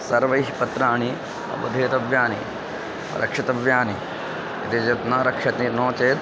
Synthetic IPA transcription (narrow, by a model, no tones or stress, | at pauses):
sɐɾʋɐjɦipɐt̪ɾaːɳi | ɐ̰bɐd̪ʱeːt̪ɐʋjaːnḭ | ɾʔɐ̰kʂɐt̪ɐʋjaːni | ɐt̪ed͡ʒɐt̪naːɾɐkʂɐt̪ninõːt͡ʃeːt̪